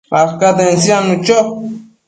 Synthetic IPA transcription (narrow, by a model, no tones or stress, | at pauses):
axkat̪ensjanʊt͡ʃo